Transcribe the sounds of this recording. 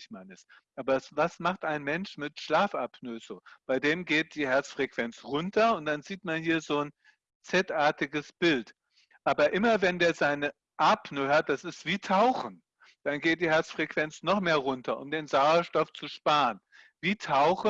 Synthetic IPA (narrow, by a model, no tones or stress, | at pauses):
ɪçmanɪs | ʔaːbɐsvasmaχtʔaɪnmɛnʃmɪtʃlaːfʔapnøzoːb̥aɪdeːmɡeːt̚d̥iːɦɛɐt͡sfʁ̥ɛkv̥ɛnt͡sʁʊntʰɐʊnt̚d̥anziːtmanhiːɐzoːn | t͡sɛtʔaɐtɪɡəsb̥ɪlt | ʔaːbɐʔɪmɐvɛndeːɐzaɪnə | ʔapnøhaɐt̚d̥asɪstv̥iːtʰaʊxn̩ | d̥anɡeːt̚d̥iːɦɛɐt͡sfʁ̥ɛkv̥ɛnt͡snɔχmeːɐʁʊntʰɐʔʊ̰mdeːnzaʊɐʃtɔft͡suʃpaːʁən | viːtʰaʊx